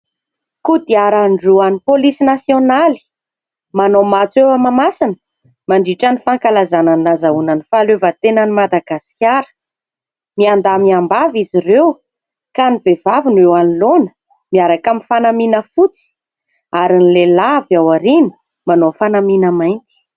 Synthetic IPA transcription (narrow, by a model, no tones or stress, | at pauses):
kud̪iaɾaɳɖ͡ʐuanipolisinasjonali̥ | manomat͡sewamamasinə̥ | maɳɖ͡ʐiʈ͡ʂanifaŋkalazananazaunanifalevət̪enənimad̪aɡasi̥kʲjaɾə̥ | miand̪amiambaviziɾew | kanibevavunewanilonə̥ | miaɾakamifanaminəfut͡si̥ | aɾinilelavawaɾini̥ | manofanaminəmajnt̪i̥